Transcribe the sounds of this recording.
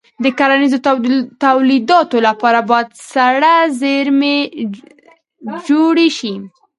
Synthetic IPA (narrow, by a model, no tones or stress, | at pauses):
d̪əkaɾanizot̪awlid̪ɑt̪olapɑɾabɑjad̪saɽazeɾme | d͡ʒoɽeʃi